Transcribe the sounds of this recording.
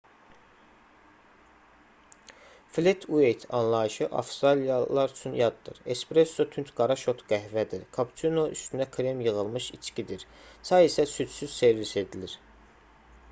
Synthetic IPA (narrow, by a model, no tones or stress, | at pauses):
flet̪ʰuejt̪ʰɑnlˠɑiʃɯʔɑ̰fst̪ɾɑlijɑlˠɑɾyt͡ʃʰynjɑd̪ːɯ̰ɾespɾesːot̪ʰynt̪ɡɑɾɑʃo̞t̪ʰɡ̥æɦvæd̪iɾkʰɑpt͡ʃ̪ʰunoʔyst̪ʰynækʰɾemjɯɣɯlˠmɯʃit͡ʃkʰid̪iɾsɑesæsyt͡ʃ̪syz̥se̞ɾvise̞d̪iliɾ